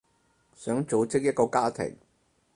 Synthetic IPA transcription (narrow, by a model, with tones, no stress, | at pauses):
sœː˨˥ŋt͡so˨˧wt͡sɪ˥k̚jɐ˥t̚kɔː˧kaː˥t̪ʰɪ̰˨˩ŋ